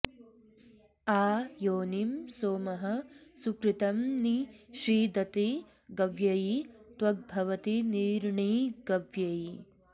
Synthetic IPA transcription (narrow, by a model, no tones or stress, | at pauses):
aːjoːnimsoːmɐɦɐsukɾit̪ɐmniʃɾiːd̪ɐt̪i | ɡɐʋjɐjit̪wɐɡ̚bʱɐʋɐt̪iniːɾɳiːɡɐʋjɐji